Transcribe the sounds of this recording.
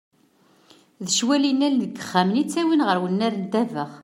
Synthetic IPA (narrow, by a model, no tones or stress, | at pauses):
ðəʃwælinːæləɡə̥χːæmnit͡sːæwinʁəɾwənːæɾnd̪ævəʁ